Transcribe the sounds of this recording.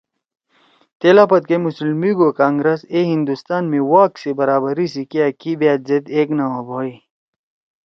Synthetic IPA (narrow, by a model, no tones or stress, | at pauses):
t̪eːlaːpɐt̪̚kemuslmiɡokaːŋɡɾɐseɦĩnd̪ust̪aːnmẽwaːksebɐɾaːbɐɾisikiɐkibeːt̪zed̪eːknɐwabʱoːi